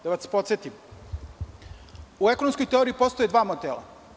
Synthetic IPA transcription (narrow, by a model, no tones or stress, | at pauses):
d̪aʋaspo̞t̪sjet̪im | ue̞konomsko̞jt̪e̞oɾiipo̞st̪o̞jed̪ʋaːmot̪elˠa̰